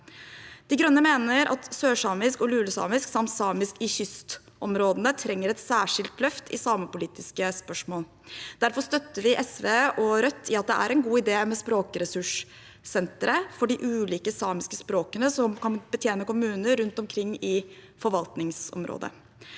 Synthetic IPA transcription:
d̪̥ɪɡɾœnːəmeːnəɾʔɑ̰t̪søːʂɑːmɪskɔlʉːləsɑ̰ːmɪsksɑmt̪sɑːmɪskɪçʏst̪ | ʔɔmɾoːd̪ənət̪ʰɾɛŋːəɾɛt̪sæːʂɪlt̪lœft̪ʰɪ̰sɑːməpʊliːt̪ɪskəspœʂmoːl | d̪̥æɾfɔst̪œt̪ːəʋɪʔɛsʋeːɔɾœt̪ʰːɪɑt̪̚d̪ɛʔæ̰ɾɛnɡuːɪd̪eːmɛspɾoːkɾɛsʉʂ | sɛnt̪əɾəfɔɖɪʔʉːliːkəsɑːmɪskəspɾoːkənəsɔmkɑnbət̪ʰjeːnəkʊmʉːnəɾʉnt̪ɔmkʰɾɪŋːɪ | fɔɾʋɑlt̪nɪŋsɔ̰mɾo̰ːd̪ə̰

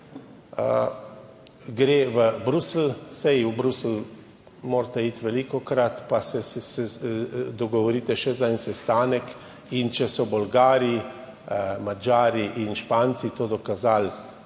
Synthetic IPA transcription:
ɡɾeːʋəbɾusl̩sɛjubɾusl | moːɾt̪ɛit̪ʋɛlikɔkɾat̪pasɛsɛsɛd̪ɔɡɔʋɔɾiːt̪ɛʃɛzaɛnsɛst̪aːnɛk | int͡ʃɛsɔbɔlɡaːɾi | mad͡ʒaːɾiʔinʃpaːnt̪sit̪oːd̪ɔkazal

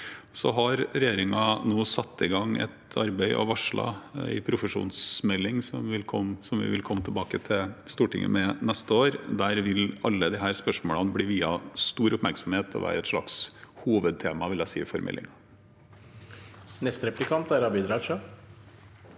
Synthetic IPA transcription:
sɔɦɑɾɾɛjeːɾɪŋɑnoːsɑt̪ʰːɪɡɑŋɛ̰t̪ɑɾbæɪʔɔ̰ʋɑʂɭɑ̰ɪpʰɾʊfəʂṵːnsmɛlːɪŋsɔmʋɪlkʰɔmsɔmʋɪ̰ʋɪlkʰɔmːət̪ʰɛlbɑːkət̪ʰɪlst̪uːʈɪ̰ŋːə̰mɛnɛst̪əoːɾd̪æːɾʋɪlɑlːəd̪ɪɦæːɾspœʂmoːlɑnbliːʋiːɑst̪uːɾʊpmæɾksɑmheːt̪ʰɔ̰ʋæ̰ːɾəɛt̪ʂɭɑ̰kshuːʋəd̪̚t̪ʰeːmɑʋɪljæɪsḭːfɔɾmʔɛ̰lːɪ̰ŋɑ | nɛst̪əɾɛplɪkʰɑnt̪æɾɑbiːd̪ɾɑːʃø

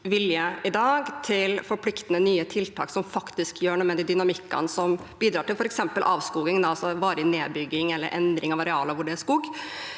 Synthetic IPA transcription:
ʋɪljəɪd̪ɑːɡt̪ʰɪlfɔɾpʰlɪkt̪ənənyːət̪ʰɪlt̪ʰɑ̰ːksɔmfɑkt̪ɪskjøːɳumɛd̪iːd̪ʏnɑmɪkːɑ̰nsɔmbiːd̪ɾɑːʈɪlfɔɾɛksɛmpəlʔɑːʋskuːɡɪŋnɑlsɔʋɑːɾəneːbʏɡːɪŋɛlːə̰ɾʔɛnd̪ɾɪŋɑʋɑɾɛɑːlɑʋʊɖɛæʂkuːɡ

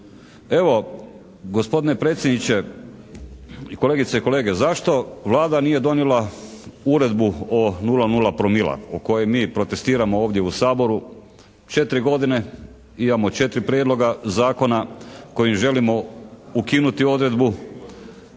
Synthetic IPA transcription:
e̞ʋo̞ | ɡospo̞d̪ine̞pɾet̪sʲjed̪nit͡ɕe̞ | iko̞leɡit̪seiko̞le̞ːɡe̞zaʃt̪o̞ʋlˠaːd̪aniːje̞d̪o̞njelauɾe̞d̪buonulanulˠapɾomilˠa̰oko̞jemiːpɾo̞t̪e̞st̪iːɾamooːʋd̪je̞usaːbo̞ɾu | t͡ʃe̞t̪ɾiɡo̞d̪ine̞ | imamo̞t͡ʃe̞t̪ɾipɾjed̪lˠo̞ɡazaːko̞nako̞jimʒe̞limo̞ukinut̪io̞d̪ɾe̞d̪bu

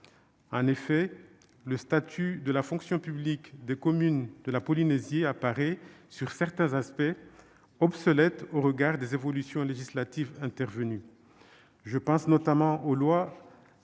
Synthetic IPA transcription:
ɑ̃nefɛ | ləst̪at̪ʰyd̪əlafɔ̃ksjɔ̃pyblikd̪ekɔmynd̪əlapɔlinezjeapaʁɛsyʁsɛʁt̪ɛ̃zaspɛ | ɔbsɔlɛt̪oʁəɡaʁd̪ezevɔlysjɔ̃leʒislat̪ivɛ̃t̪ɛʁvəny | ʒəpɑ̃snɔt̪amɑ̃ʔolwa

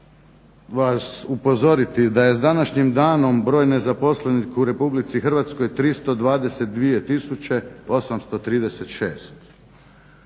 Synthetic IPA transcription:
ʋasupo̞zo̞ɾit̪id̪aje̞zd̪anaʃɲimd̪aːno̞mbɾo̞ːjne̞zapo̞slenikuɾe̞publit̪sixərʋat̪sko̞jt̪ɾist̪o̞d̪ʋaːd̪e̞set̪̚d̪ʋije̞t̪isut͡ɕe̞o̞samst̪o̞t̪ɾiːd̪e̞set̪ʃe̞̰ːst̪

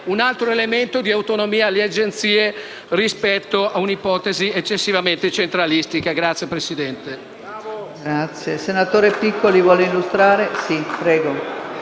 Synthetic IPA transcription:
unalt̪ɾoelement̪od̪iawt̪onomiːalead͡ʒent̪siːe | rispɛt̪ːoaunipɔt̪eziet͡ʃːesːivament̪et͡ʃent̪ɾalist̪ikaɡɾat̪sjepɾesid̪ɛnt̪e | ɡɾat̪sjesenat̪oːɾepikʰːolivwɔːleilːust̪ɾaːɾesipɾɛːɡo

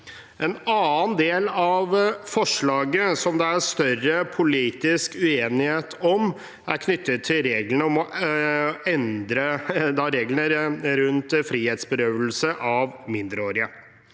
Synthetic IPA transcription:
ʔɛnɑːnd̪eːlɑʋfɔʂɭɑːɡəsɔmd̪ɛæɾst̪œrəpʰʊliːt̪ɪskʉeːnɪheːt̪ʰɔm | æɾkʰnʏt̪ʰːət̪ʰːɪlɾeːɡlənəɔmɔ | ɛnd̪ɾəd̪ɑɾeːɡlnəɾɾʉnt̪fɾiːheːt̪sbəɾøːʋəlsəʔɑʋmɪnd̪ɾəoːɾɪə

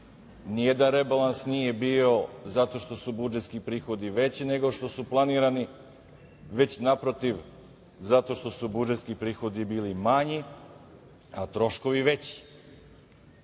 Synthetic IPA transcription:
nije̞d̪anɾebalansnije̞bio̞zat̪o̞ʃt̪o̞subud͡ʒet̪skipɾiːxo̞d̪iʋe̞t͡ɕine̞ɡo̞ʃt̪o̞suplˠaniːɾani | ʋe̞t͡ɕnapɾo̞t̪iʋ | zat̪o̞ʃt̪o̞subud͡ʒet̪skipɾiːxo̞d̪ibiːlimaɲi | at̪ɾo̞ʃko̞ʋiʋet͡ɕi̥

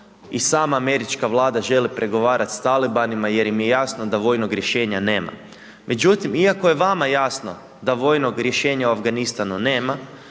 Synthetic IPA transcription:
isaːmaːme̞ɾit͡ʃkaʋlˠaːd̪aʒe̞lipɾʔe̞ɡo̞ʋaːɾʔat̪st̪alibanimaje̞ɾjimjejasnod̪aʋo̞jnoɡɾjeʃe̞ːɲane̞ːma̰ | mʔe̞d͡ʒut̪imiako̞je̞ʋamajaːsno̞̰ | d̪aʋo̞ːjno̞ɡɾʲje̞ʃe̞ːɲauafɡanist̪anune̞ːma

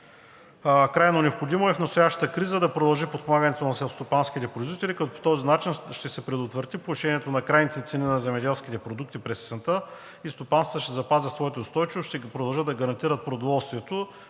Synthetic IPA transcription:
kɾajnonʲɛopxod̪imoɛfnɐst̪ojaʃt̪ə̥t̪əkɾizəd̪ɐpɾod̪ɐlˠʒipot̪̚pomaɡənɛt̪onɐsɛlˠst̪opansk̟it̪ɛpɾʊizvit̪ɛlikɐt̪ɔpo̥t̪ɔzinat͡ʃinʃt̪ɛsɛpɾɛd̪ʊt̪vəɾt̪ipoiʃɛniɛt̪onɐkɾajnit̪ɛt̪sɛninɐzɛmɛd̪ɛlˠsk̟it̪ɛpɾod̪uk̚t̪ipɾɛssɛnt̪ə | ist̪opanst̪əʃt̪ɛzɐpazʲɛsvɔɛt̪oʊst̪ɔjt͡ʃivoʃt̪ɛpɾod̪ɐlˠʒəd̪ɐɡɐɾɐnt̪iɾət̪̚pɾod̪ovɔlˠst̪viɛt̪o

